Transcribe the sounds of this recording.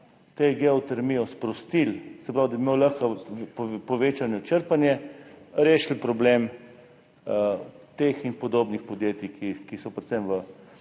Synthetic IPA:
t̪eɡɛɔt̪ɛɾmiːjɔspɾɔst̪ilsɛpɾawd̪ɐbimeːwləxka | pɔʋeːt͡ʃanjɔt͡ʃəɾpanjɛɾeːʃl̩pɾɔbleːm | t̪eːxinpɔd̪oːbnixpɔd̪jeːt̪ikʰikisɔpɾɛt̪sɛmʋə

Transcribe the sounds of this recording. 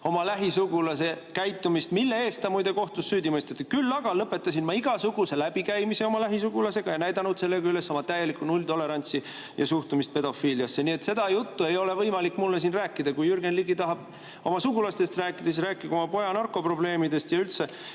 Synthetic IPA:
o̞mɑlæɦisuɡ̥ulɑse̞kæjt̪ːˑumist̪milːee̞ːst̪ɑmujd̪e̞ko̞ht̪usːyːd̪imest̪et̪ːkylːɑɡ̥ɑlɤpːˑe̞t̪ːˑɑsinmɑiɡ̥ɑsuɡ̥use̞læbikæjmise̞o̞mɑlæɦis̬uɡ̥ulɑse̞ɡ̥ɑjnæjd̪ɑnud̪̥se̞lːe̞ɡɑyle̞sːo̞mɑt̪æje̞likːˑunulʲt̪o̞le̞ɾɑnʲt̪si | jɑ̰suht̪umist̪̚pe̞d̪o̞fiːliɑsːe̞niet̪se̞d̪̥ɑjut̪ːue̞jo̞le̞vɤjmɑlikːˑmulːes̬iːnræːkːˑid̪̥ɑkujyrɡe̞nliɡit̪ɑɦɑb̥̚ | o̞mɑsuɡulɑst̪e̞st̪ræːkːˑid̪̥es̬ɾæːkːˑiko̞mɑpo̞jɑnɑrkːo̞pro̞ble̞ːmid̪e̞st̪jɑylt̪se

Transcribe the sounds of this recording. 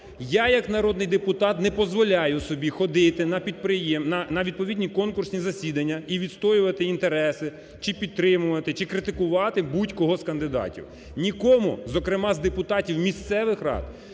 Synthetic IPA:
jajɐknɐɾɔd̪nɪjd̪epʊt̪ɑt̪nɛpɔzʋɔlʲajʊsɔbʲixɔd̪ɪt̪ɪnɐpʲid̪̚pɾɪjɛmnɐnɐʋʲid̪̚pɔʋʲid̪ʲnʲikɔnkʊrsʲnʲizɐsʲid̪ɐnʲːɐiʋʲid̪st̪ɔjʊʋɐt̪ɪint̪eɾɛsɪ | t͡ʃɪpʲidt̪ːɾɪmʊʋɐt̪ɪt͡ʃɪkɾɪt̪ɪkʊʋɑt̪ɪbutʲkɔɦɔskɐnd̪ɪd̪ɑ̰tʲḭw | nʲikɔmʊzɔkɾɪmɑzd̪epʊt̪ɑtʲiwmʲist̪sɛʋɪxɾɑ̰d̪̚

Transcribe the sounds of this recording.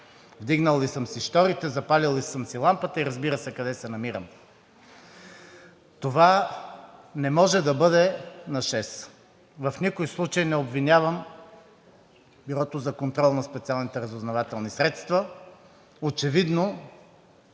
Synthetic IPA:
vd̪iɡnəlˠːisəmsiʃt̪ɔɾit̪ɛzɐpalilˠːisəmsilˠampət̪əiɾɐzbiɾəsɛkɐd̪ɛsɛnɐmiɾəm | t̪ova | nɛmɔʒɛd̪ɐbɤd̪ɛnɐʃɛs | vɐfnʲikojslˠut͡ʃəjnɛobvinʲavəm | biɾɔt̪ozɐkont̪ɾɔlˠnɐspɛt̪sialˠnit̪ɛɾɐzoznɐvat̪ɛlˠnisɾɛt̪st̪vɐ | ot͡ʃɛvid̪no

